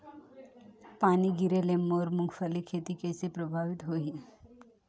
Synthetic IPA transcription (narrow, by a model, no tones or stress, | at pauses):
paːniɡɪɾelemːoːɾmʊŋɡfəlikʰeːt̪ikɛːsepɾəbʱaːʋɪt̪ɦoːi